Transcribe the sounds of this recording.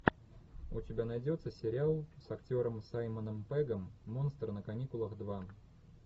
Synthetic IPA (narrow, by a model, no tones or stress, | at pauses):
ʊ̰tʲɪbʲanɐjdʲo̞t̪səsʲɪɾʲɪalˠsɐktʲo̞ɾəmsajmənəmpɛɡəmːo̞nst̪rnəkɐnʲikʊlˠəxd̪va